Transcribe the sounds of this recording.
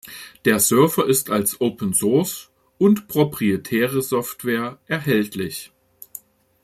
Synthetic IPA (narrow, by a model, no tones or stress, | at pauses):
d̥eːɐzœɐfɐʔɪstalsʔoʊpənzoɐs | ʊntpʁ̥opʁ̥ietʰɛːʁəzɔftv̥eːɐʔɛɐɦɛltʰlɪç